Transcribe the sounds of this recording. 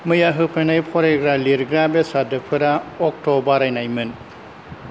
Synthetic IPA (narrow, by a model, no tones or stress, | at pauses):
mɯjaɦɯpʰɯnajpʰɔɾeɡɾaliɾɡɾabesadɯpʰɯɾaɔk̚tɔbaɾajnajmɯn